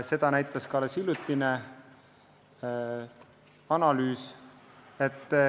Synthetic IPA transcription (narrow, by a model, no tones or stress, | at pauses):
se̞d̪̥ɑnæjt̪ˑɑskɑlesilut̪ːˑine | ɑnɑlyːs | et̪ːˑ